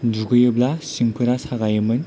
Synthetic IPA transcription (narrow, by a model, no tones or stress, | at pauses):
duɡɯjɯblasiŋpʰɯɾasaɣajɯmɯn